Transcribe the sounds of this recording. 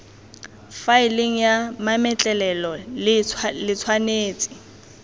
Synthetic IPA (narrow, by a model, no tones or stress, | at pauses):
faɪliŋ̩jamamɛt͡ɬʼɛlɛlɔlɪlɪt͡sʰwaneːt͡sʼɪ̥